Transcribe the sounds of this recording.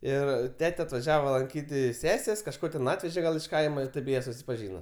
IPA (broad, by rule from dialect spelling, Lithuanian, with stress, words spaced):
ˈɪr ˈtʲæːtʲɛ ɐtʋɐˈʒʲæːʋɐ ˈlˠɐŋʲkʲiːtʲ ˈsʲæːsʲeːsʲ kɐʃˈkoː tʲɛn ˈɑːtʲʋʲɛʒʲɛ ɡɐlˠ ɪʃ ˈkɐɪmɐ ɪr ˈtʲeːp ˈjiɛ sʊsʲɪpɐˈʒʲiːnɐ